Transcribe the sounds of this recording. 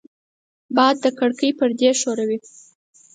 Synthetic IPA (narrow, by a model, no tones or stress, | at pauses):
bɑad̪ːəkəɽkəjpəɾd̪eʃoɾawi